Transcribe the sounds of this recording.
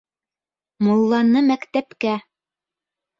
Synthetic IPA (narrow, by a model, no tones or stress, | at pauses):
molˠːɑnːɤmækt̪æpkæ